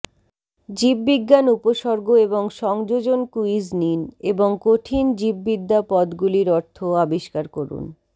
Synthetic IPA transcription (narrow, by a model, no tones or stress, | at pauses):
d͡ʑibːiɡːanupoʃɔɾɡoeboŋʃɔŋd͡ʑod͡ʑonkuid͡ʑnineboŋkoʈʰind͡ʑibːid̪ːapɔd̪ɡuliɾɔɾt̪ʰoabiʃkaɾkoɾṵn